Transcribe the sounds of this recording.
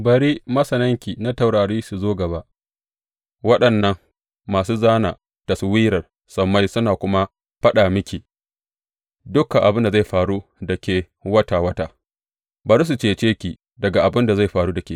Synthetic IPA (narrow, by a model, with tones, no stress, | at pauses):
bɐ˨ɾiː˦mɐ˦sɐ˨nɐ˦ŋkʲi˨na˦ta˨wɽaː˨ɽiː˦su˨zoː˦ɡɐ˨βa˦ʔ | wɐ˦ɗɐ˨nːɐ˦ŋː | aː˨s̬uː˦zaː˦na̰ː˨ | ta˨su˦wiː˦ɾɐ˨r | sɐ˨mːa˦jsʊ˦naː˨kʷʊ˦ma˦ | ɸɐ˦ɗaː˨mɪ˦kʲiː˨ | dʊ˦kːa˨ʔa˨bɪ˦nda˨za˦˨jɸaː˨ɽu˦dɐ˨kʲeː˨ | wɐ˦ta˨wɐ˦taː˦ | bɐ˨ɾi˦s̬u˨t͡ʃeː˦t͡ʃeː˦kʲi˨ | dɐ˨ɡa˨ʔa˨bɪ˦nda˨za˦˨jɸaː˨ɽuː˦dɐ˨kʲe˨